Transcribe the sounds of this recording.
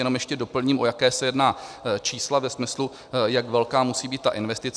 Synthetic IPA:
jɛnomjɛʃcɛdo̞pl̩ɲiːmʔojakɛːsɛjɛdnaːt͡ʃiːslavɛsmɪslu | jakvɛlkaːmusiːbiːt̪t̪ːa̰ʔɪnvɛst̪ɪt͡s

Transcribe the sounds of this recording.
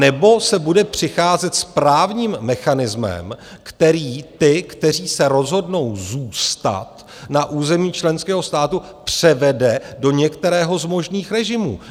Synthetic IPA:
nɛbo̞sɛbudɛpr̝̥ɪxaːzɛt̪spɾaːvɲiːmːɛxanɪzmɛ̰mkt̪ɛɾiːt̪ɪkt̪ɛr̝iːsɛɾo̞zɦo̞dno̞wzuːst̪a̰t̪ | naʔuːzɛmiːt͡ʃlɛnskɛːɦo̞st̪aːt̪u | pr̝̥ɛvɛdɛdo̞ɲɛkt̪ɛɾɛːɦo̞zmo̞ʒniːxɾɛʒɪmṵː

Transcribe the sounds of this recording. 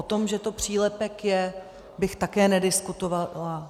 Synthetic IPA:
ot̪o̞mʒɛt̪o̞pr̝̥iːlɛpɛkjɛ | bɪxt̪akɛːnɛdɪskut̪ovala

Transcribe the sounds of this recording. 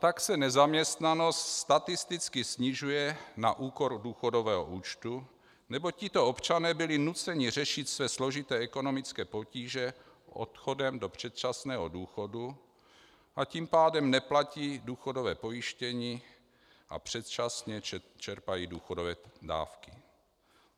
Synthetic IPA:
t̪aksɛnɛzamɲɛst̪nano̞st̪st̪at̪ɪst̪ɪt͡skɪsɲɪʒujɛna̰ʔuːkoɾduːxodo̞vɛːɦo̰ʔuːt͡ʃt̪u | nɛbocɪt̪o̞o̞pt͡ʃanɛːbɪlɪnut͡sɛɲɪr̝ɛʃɪt̪svɛːslo̞ʒɪt̪ɛːɛko̞no̞mɪt͡skɛːpo̞ciːʒɛ | ʔo̰t̪xo̞dɛmdo̞pr̝̥ɛt̪̚t͡ʃasnɛːɦoduːxo̞du | ʔaciːmpaːdɛmnɛplaciːduːxodo̞vɛːpo̞jɪʃcɛɲiː | ʔa̰pr̥ɛt̪t͡ʃasɲɛt͡ʃɛɾpajiːduːxodovɛːda̰ːfkɪ

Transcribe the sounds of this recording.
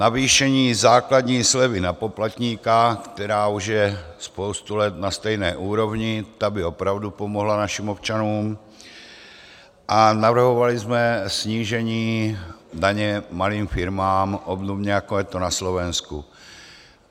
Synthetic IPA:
naviːʃɛɲiːzaːklad̪ɲiːslɛvɪnapo̞plat̪ɲiːkakt̪ɛɾaːuʒjɛspo̞wst̪ulɛt̪nast̪ɛjnɛːʔuːɾo̞vɲɪt̪abɪo̞pɾavdupomoɦlanaʃimopt͡ʃanuːm | ʔanavr̩ɦo̞valɪzmɛsɲiːʒɛɲiːdaɲɛmaliːmfɪɾmaːmʔobdobɲɛjakojɛt̪onaslo̞vɛnsku

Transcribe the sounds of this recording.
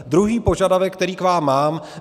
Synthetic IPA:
d̪ɾuɦiːpo̞ʒadavɛkkːt̪ɛɾiːkvaːmːaːm

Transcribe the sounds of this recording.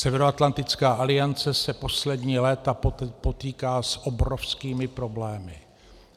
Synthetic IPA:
sɛvɛɾoat̪lant̪ɪt͡skaːʔalɪant͡sɛsɛpo̞slɛdɲiːlɛːt̪apo̞t̪iːkaːsʔobɾofskiːmɪpɾo̞blɛːmɪ

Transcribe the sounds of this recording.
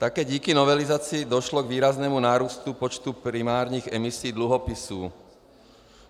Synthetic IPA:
t̪akɛːɟiːkinɔʋɛlizat͡siːd̪ɔʃlɔɡʋiːɾaznɛmunaːɾuːst̪upɔt͡ʃt̪upɾimaːɾɲiɣɛmisiːd̪luɦɔpisuː

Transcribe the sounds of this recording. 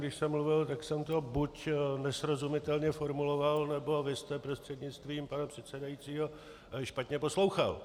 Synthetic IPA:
ɡdɪʃsɛmːluvɪlt̪aksɛmt̪o̞bucnɛsɾo̞zumɪt̪ɛlɲɛfo̞ɾmulo̞valnɛbo̞vɪst̪ɛpɾo̞st̪r̝̥ɛd̪ɲɪt͡st̪viːmpanapr̝̥ɛt̪sɛdajitt͡siːɦo̞ | ʃpat̪ɲɛposlo̞wxa̰l

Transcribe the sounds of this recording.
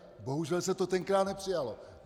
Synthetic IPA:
bo̞ɦuʒɛlsɛt̪o̞t̪ɛŋkɾaːt̪nɛpr̝̥ɪjalo

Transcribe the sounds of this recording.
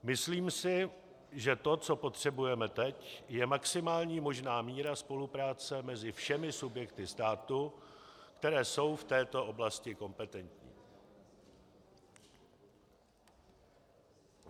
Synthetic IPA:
mɪsliːmsɪ | ʒɛt̪o̞t͡so̞po̞t̪r̝̥ɛbujɛmɛt̪ɛcjɛmaksɪmaːlɲiːmo̞ʒnaːmiːɾaspo̞lupɾaːt͡sɛmɛzɪfʃɛmɪsubjɛkt̪ɪst̪aːt̪u | kt̪ɛɾɛːso̞wft̪ɛːt̪o̞ʔo̞blascɪko̞mpɛt̪ɛnt̪ɲḭː

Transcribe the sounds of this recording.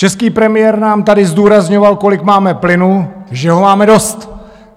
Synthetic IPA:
t͡ʃɛskiːpɾɛmɪjɛɾnaːmt̪adɪzduːɾazɲo̞valko̞lɪkmaːmɛplɪnuʒɛɦo̞maːmɛdo̞st̪

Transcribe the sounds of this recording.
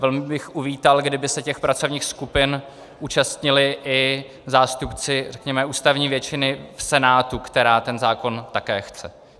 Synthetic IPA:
vɛlmɪbɪxʔuviːt̪alɡdɪbɪsɛcɛxpɾat͡so̞vɲiːxskupɪn | ʔuːt͡ʃast̪ɲɪlɪʔɪ | zaːst̪upt͡sɪr̝ɛkɲɛmɛuːst̪avɲiːvjɛt͡ʃɪnɪfsɛnaːt̪ukt̪ɛɾaːt̪ɛnzaːko̞nt̪akɛːxt͡sɛ

